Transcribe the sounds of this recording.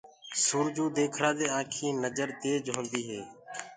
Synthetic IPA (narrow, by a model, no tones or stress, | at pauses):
suːɾd͡ʒuːd̪eːkʰɾãːd̪eːãːkʰĩːnəd͡ʒəɾt̪eːd͡ʒɦõːnd̪iːɦeː